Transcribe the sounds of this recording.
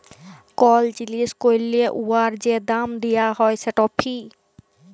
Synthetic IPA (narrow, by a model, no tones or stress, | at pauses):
kɔld͡ʑiliskojlːieʔuaɾd͡ʑed̪amd̪ijaɦɔjsʰeʈɔpʰi